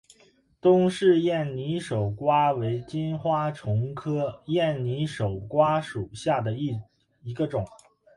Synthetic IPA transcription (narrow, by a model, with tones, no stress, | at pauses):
t̪ʊ˥ŋʂɻ̩˥˧jɛ˥˩nni˧˥ʂo˨˩ʊkwa˥we˧˥ɪt͡ɕi˥nxwa˥ʈ͡ʂʰʊ˧˥ŋkʰɤ˥jɛ˥˩nni˧˥ʂo˨˩ʊkwa˥ʂu˨˩ɕja˥˩d̪ə˩i˥˩ | i˧˥ɡə˧ʈ͡ʂʊ˨˩˦